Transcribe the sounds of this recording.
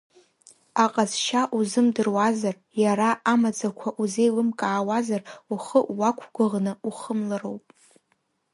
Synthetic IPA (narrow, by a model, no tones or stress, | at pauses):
aqʼazʃaʔuzɨmdɨrwazar | jaɾaʔamad͡zakʷʰaʔuzejlɨmkʼaːwazaruχəʔwakʷʰɡʷʊʁnɨuχəmlarowpʼ